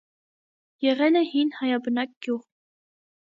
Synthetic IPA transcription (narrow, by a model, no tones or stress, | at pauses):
jɛʁɛnəhinhɑjɑbənɑk̚ɡ̥juʁ